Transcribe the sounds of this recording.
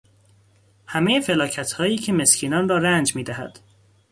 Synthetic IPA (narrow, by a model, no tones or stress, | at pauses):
hæmejefe̞lɒːcʰæt̪hɒːjiːcʰe̞me̞scʰiːnɒːnrɒːɾænd͡ʒmiːd̪æɦæ̰d̪̥